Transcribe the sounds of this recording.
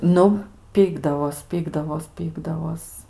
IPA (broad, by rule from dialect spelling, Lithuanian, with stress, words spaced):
ˈnʊ ˈpʲiːɡdɐʋoːs ˈpʲiːɡdɐʋoːs ˈpʲiːɡdɐʋoːs